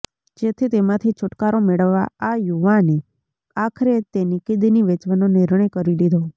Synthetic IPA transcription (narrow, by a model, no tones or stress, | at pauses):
d͡ʒet̪ʰit̪emãt̪ʰit͡ʃʰʊʈkaɾomeɭəʋːa̰ajuʋani | akʰɾet̪enikid̪iniʋet͡ʃʋanonɪɾɳəjkəɾilid̪ʱo